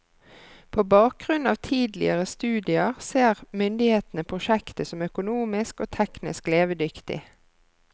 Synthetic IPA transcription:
pʰoːbɑːk̚ɡʁʉnɑːʋt̪ʰiːd̪lɪ̰əʁəst̪ʉːd̪ɪəʁseːʁmʏnd̪ɪheːt̪n̩əpʰʁʊʃɛkt̪əsɔmœkʊnuːmɪskoːt̪ʰɛknɪ̰skleːʋəd̪ʏkt̪ɪ̰

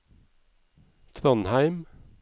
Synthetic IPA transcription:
t̪ʰɾɑnhæɪm

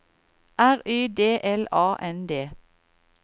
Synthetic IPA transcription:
ʔæʁyːd̪eːʔɛlɑːʔɛnd̪eː

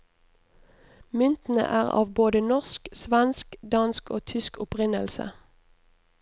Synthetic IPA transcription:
mʏnt̪n̩ə̰ʔæːʁɑ̰ːʋboːd̪ənɔʁsksʋænskd̪ɑnskoːt̪ʰʏskʊpʁɪnəlsə̰

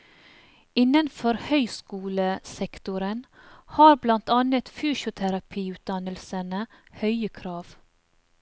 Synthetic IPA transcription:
ɪnənfɔɾhœʏskuːləsɛkt̪ʊɾən | hɑːɾblɑnt̪ɑːnət̪fyːʃʊt̪ʰæɾɑpʰiːʉːt̪̚d̪ɑnəlsənə | hœʏəkʰɾɑːʋ

